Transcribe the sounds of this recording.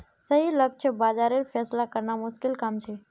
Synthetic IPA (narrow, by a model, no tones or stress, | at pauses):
səɦilək̚t͡ʃʰəbaːd͡ʒaːɾeɾfʰɛːslakəɾnamʊʃkɪlkamt͡ʃʰeː